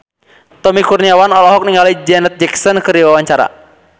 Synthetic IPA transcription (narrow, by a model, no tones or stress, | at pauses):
t̪ɔmikurniawanɔlɔɦɔk̚niŋɡalid͡ʒɛnɛt̪̚d͡ʒɛksɔnkɨrdiwawaɲt͡ʃaɾa̰